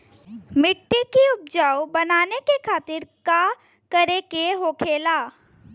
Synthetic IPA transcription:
mɪʈ̪ːikiʊp̚d͡ʒaːwbɐnaːnekekʰaːt̪ɪɾka | kəɾekeɦoːkʰeːlaː

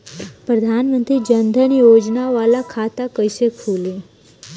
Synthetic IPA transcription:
pɾəd̪ʱanmənt̪ɾiːd͡ʑənd̪ʱənijod͡ʒnaʋalakʰat̪akəjsekʰulie

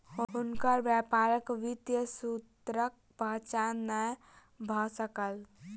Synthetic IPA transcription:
ɦunkəɾbjəpaɾəkʋit̪jəsut̪ɾək̚bʱət͡ʃanə | bʱɔsəkəl

